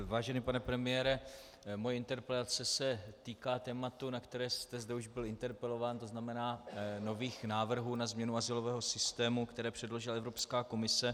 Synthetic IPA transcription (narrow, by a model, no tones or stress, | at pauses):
vaːʒɛnipanɛpɾɛmɪjɛːɾɛ | mojɛɪnt̪ɛɾpɾɛt̪at͡sɛsɛt̪iːkaːt̪ɛːmat̪unakt̪ɛɾɛːst̪ɛzdɛuʒbɪlɪnt̪ɛɾpɛlo̞vaːnt̪o̞znamɛnaːno̞viːxnaːvr̩ɦuːnazmɲɛnuazɪlo̞vɛːɦo̞sɪst̪ɛːmukt̪ɛɾɛːpr̥ɛdlo̞ʒɪlaɛvɾopskaːko̞mɪsɛ